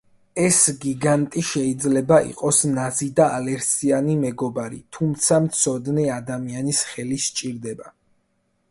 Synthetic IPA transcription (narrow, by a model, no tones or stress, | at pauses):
ɛsɡiɡant̪ʼiʃɛid̪zlɛbaḭqʼɔsnazid̪aalɛɾsianimɛɡɔbaɾḭt̪ʰumt̪sʰamt̪sʰɔd̪nɛad̪amianisχɛlist͡ʃʼiɾd̪ɛba